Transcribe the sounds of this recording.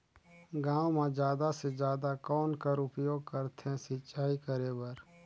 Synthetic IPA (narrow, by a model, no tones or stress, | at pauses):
ɡãːwmẽd͡ʒjaːd̪ased͡ʒjaːd̪akɔːnkəɾʊpjoːɡ̚kəɾt̪ʰeɦɛ̃sɪtːt͡ʃʰaːikəɾeːbəɾ